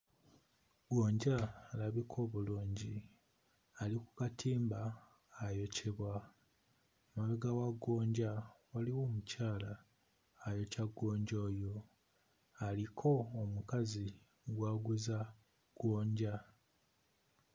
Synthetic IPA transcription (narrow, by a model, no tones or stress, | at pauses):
ɡoːɲɟaːlaβikʰo̞ːβuluːɲɟi | aliku̥katʰiːmbaː | jo̞ce̞βwa | maβeɡawaɡːo̞ːɲɟawaliwo̞ːmucaːlaː | jo̞caɡːo̞ːɲɟo̞ːjo̞ | alikʰo̞ːmukazi | ɡwaːɡuza | ɡ̥oːɲɟa